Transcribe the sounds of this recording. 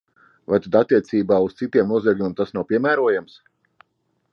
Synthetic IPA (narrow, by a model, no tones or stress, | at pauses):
vajt̪ad̪at̪ːiɛt̪siːbaːust̪sit̪iɛmnuɔzʲiɛɡlʲumʲeɛmt̪asnawpʲiɛmæːɾuɔjams